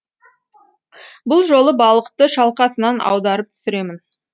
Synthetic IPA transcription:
bʊlˠʒo̞lˠəbɑlˠəqt̪əʃɑlˠqɑsənɑnɑ̰wd̪ɑɾəp̚t̪ʰʏ̥sɪɾe̞mɪn

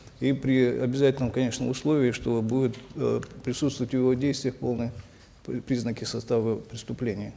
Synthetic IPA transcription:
ipɾʲɪɐbʲɪzatʲɪlʲnəmkɐnʲe̞ʂnə̰mʊslˠo̞vʲɪɪʂt̪obudʲɪt̪pɾʲɪsut̪st̪vʊvətʲɪvodʲejst̪vʲɪjəfpo̞lˠnɨ | pɾʲiznəkʲɪsɐst̪avəpɾʲɪst̪ʊplʲenʲɪjə

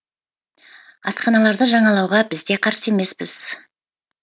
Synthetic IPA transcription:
ɑsqɑnɑlˠɑɾd̪əʒɑɴɑlˠɑwʁɑbɪzd̪e̞qʰɑɾse̞me̞spɪz̥

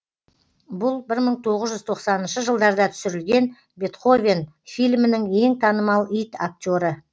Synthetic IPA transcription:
bʊlˠbɪɾməɴt̪ʰo̞ʁəzʒʏzt̪ʰo̞qsɑnənʃəʒəlˠd̪ɑɾd̪ɑt̪ʰʏ̥sɪɾɪlɡʲe̞n | be̞t̪χo̞vʲen | fijlʲmɪnɪŋe̞ŋt̪ʰɑnəmɑlˠijt̪ak̚tʲo̞ɾə

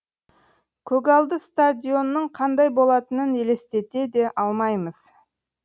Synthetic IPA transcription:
kʲʰɵɡɑlˠd̪əst̪ad̪ʲijo̞nːəɴqʰɑnd̪ɑjbo̞lˠɑt̪ənənele̞st̪e̞t̪e̞d̪e̞ʔɑlˠmɑjməz̥

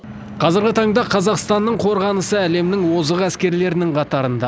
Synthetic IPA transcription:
qʰɑzəɾɡʲɪt̪ʰɑɴd̪ɑqʰɑzɑqst̪ɑnːəɴqʰo̞ɾʁɑnəsəæle̞mnɪŋwo̞zəʁæskʲe̞ɾle̞ɾɪnɪŋqʰɑt̪ɑɾənd̪ɑ

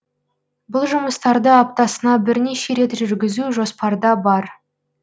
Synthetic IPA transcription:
bʊlˠʒʊməst̪ɑɾd̪əɑp̚t̪ɑsənɑbɪɾne̞ʃe̞ɾe̞t̪ʒʏɾɡʲɪzuʒo̞spɑɾd̪ɑbɑɾ

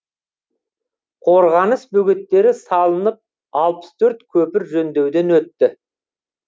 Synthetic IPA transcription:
qʰo̞ɾʁɑnəsbɵɡʲe̞t̪ːe̞ɾɪsɑlˠənəp̚ | ɑlˠpə̥st̪ʰɵɾt̪kʲʰɵpɪɾʒɵnd̪e̞wd̪e̞nwɵt̪ːɪ

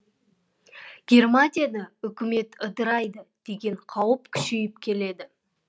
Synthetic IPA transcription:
ɡʲe̞rmat̪ʲijad̪əʏkʲɪme̞t̪əd̪əɾɑjd̪əd̪̥e̞ɡʲe̞ɴqʰɑwəpkʲʰʏ̥ʃejɪpkʲʰe̞le̞d̪ɪ

